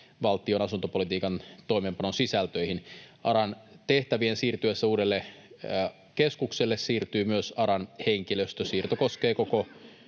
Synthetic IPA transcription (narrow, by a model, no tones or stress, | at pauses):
ʋɑlt̪io̞nɑsunt̪opo̞lit̪iːkɑnt̪o̞jmeːmpɑnonsisælt̪øihinɑɾɑnt̪e̞ht̪æʋiensiːrt̪yesːæuːdelːe | keskukselːessiːrt̪yːmyøsɑɾɑnheŋkiløst̪øsiːrt̪oko̞skeːkoko